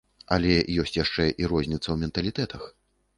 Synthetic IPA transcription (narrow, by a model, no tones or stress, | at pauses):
ɐ̰lʲɛjɔsʲt͡sʲjaʂt͡ʂɛʔiɾɔzʲnʲit̪sɐwmʲɛnt̪ɐlʲit̪ɛt̪ɐx